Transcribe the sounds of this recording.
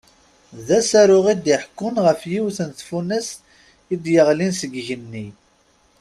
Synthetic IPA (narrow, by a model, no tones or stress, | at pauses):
ðæsæɾʊʁid̪iħkːʊnʁəfjiwθənθfunæs | id̪jəʁlinsəɡʝənːi